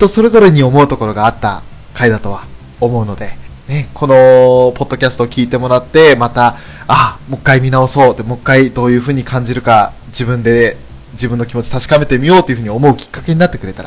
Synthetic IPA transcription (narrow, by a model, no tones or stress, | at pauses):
t̪o̞so̞ɾe̞zo̞ɾe̞ɲ̟io̞mo̞ɯ̟t̪o̞ko̞ɾo̞ɡaːt̪ːa̰ | kaid̪at̪o̞β̞a | omo̞ɯ̟no̞d̪e̞ne̞kʰo̞no̞po̞d̪ːo̞kʲasɨ̥t̪o̞kʲiːt̪e̞mo̞ɾat̪ːe̞mat̪a | amo̞kːaimʲinao̞so̞ːt̪ːe̞mokːaid̪o̞ːjɯ̟ːɸɯ̟ːɲ̟ikʰãɲ̟d͡ʑiɾɯ̟ka | d͡ʑibɯ̟̃nd̪e̞ | d͡ʑibɯ̟̃nːo̞kʲimo̞t͡ɕi̥t̪aɕi̥kame̞t̪e̞mʲijo̞ːt̪ːo̞iɯ̟ɯ̟ɲio̞mo̞ɯ̟kʲi̥kːḁke̞ɲ̟inat̪ːekɯ̟ɾe̞t̪aɾa